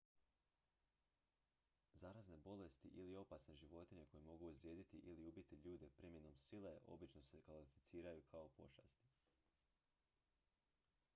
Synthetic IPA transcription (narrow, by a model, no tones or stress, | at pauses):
zaɾazne̞bo̞le̞st̪iʔilio̞pasne̞ʒiʋo̞t̪iɲe̞ko̞jemo̞ɡuuzɾjeːd̪it̪iʔiliubit̪iʎuːd̪e̞pɾimjenomsileʔo̞̰bit͡ʃno̞se̞kʋalifit̪siːɾajukʰao̞po̞ʃast̪i̥